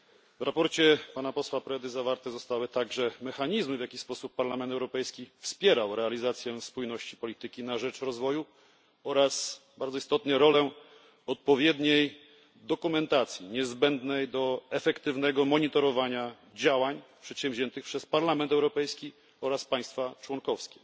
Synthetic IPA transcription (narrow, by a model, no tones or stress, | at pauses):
vɾapɔɾt͡ɕɛpanapɔswapɾɛd̪ɘzavaɾt̪ɛzɔst̪awɘt̪aɡʐɛmɛxaɲizmɘvʲjakʲispɔsupːaɾlamɛnt̪ɛwɾɔpɛjskʲifspʲjɛɾawɾɛalʲizat̪sʲjɛspujnɔɕt͡ɕipɔlʲit̪ɘkʲinaʐɛt͡ʂɾɔzvɔju | ɔɾas | baɾd̪zɔist̪ɔt̪nɛɾɔlɛ | ɔt̪̚pɔvʲjɛd̪ɲej | d̪ɔkumɛnt̪at̪sʲjiɲɛzbɛnd̪nɛjd̪ɔɛfɛkt̪ɘvn̪ɛɡɔmɔɲit̪ɔɾɔvaɲa | d͡ʑawaɲpʂɛt̪ɕɛm̃vʑɛnt̪ɘxpʂɛspaɾlamɛnt̪ɛwɾɔpɛjskʲi | ɔɾaspaj̃st̪fat͡ʂwɔŋkɔfskʲɛ̥